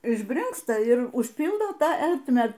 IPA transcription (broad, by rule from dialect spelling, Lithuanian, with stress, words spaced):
ɪʒʲˈbʲrʲɪŋkstɐ ɪr ʊʃʲˈpʲiːlˠdoː ˈtɑː ˈɛrʲtʲmʲæː